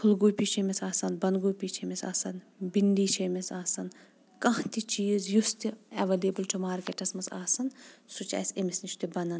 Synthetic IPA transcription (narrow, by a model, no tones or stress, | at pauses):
kʰulɡuːjpʲit͡ʃʰemʲisaːsɐnbɐnɡuːjpʲit͡ʃʰemʲisa̰ːsɐn | bind̪iːt͡ʃʰɐmisaːsɐn | kɐɦt̪it͡ʃiːzjust̪iɐʋɐliːbɨltʰumaːɾkeʈɐsmɐsa̰ːsɐnsut͡ʃa̰ːsemisnit͡ʃʰt̪ibɐnɐn